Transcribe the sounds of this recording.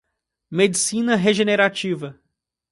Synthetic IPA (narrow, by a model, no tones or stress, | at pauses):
med͡ʒisĩnɐɦeʒeneɾat͡ʃivɐ